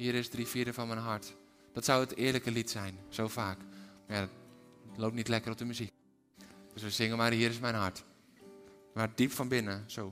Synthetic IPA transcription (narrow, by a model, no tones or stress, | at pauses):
hiəɾɪsdrifiədəfɔnmɛjnɦaɹt | d̥ɔtsɔwətɪərləkəlitsɛjnsowfaːkmajadtloːp̚tnitlɛkərɔp̚dəmyzik̚ | d̥øsʋəsɪŋənmarɦiəɾɪsmɛjnɦart | mad̥ipfɔnbɪnəso